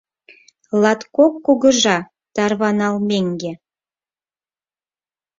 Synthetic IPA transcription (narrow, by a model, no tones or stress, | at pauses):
lɑt̪kokːuɣə̆ʒɑ | t̪ɑrβɑnɑlmeŋɡe